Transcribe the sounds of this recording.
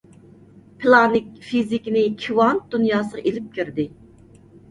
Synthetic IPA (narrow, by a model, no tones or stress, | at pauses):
pʰɨlˠɑnɪk̚ʲfizikʲnɪkʲʰiwɑnd̪̥unjɑːsəʁɑʔelɪp̚kʲʰyɾd̪ɪ